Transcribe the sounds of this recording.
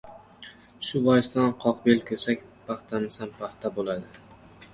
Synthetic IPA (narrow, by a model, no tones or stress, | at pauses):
ʃʊbɒjɪst̪anqʰɒqbelkʲʰɵsakʲpʰaχt̪ʰamɪsanpʰaχt̪ʰabolad̪ɪ